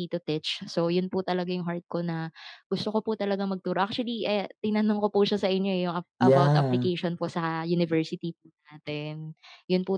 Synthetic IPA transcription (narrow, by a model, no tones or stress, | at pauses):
it̪ʊt̪ɛt͡ʃsojʊnput̪ɐlɐɡajʊŋɦaɹt̪̚ko̞nɐɡ̥ʊst̪oko̞put̪ɐlɐɡamɐɡ̚t̪uːɾoʔak̚t͡ʃuɐliʔɛt̪ɪnɐnoŋkopuʃasɐʔɪɲːoʔɛjʊŋɐʔɐbawt̪ʔaplɪkejʃonposɐjunɪvɛɹsɪt̪ipunaːt̪ɛnjʊnpu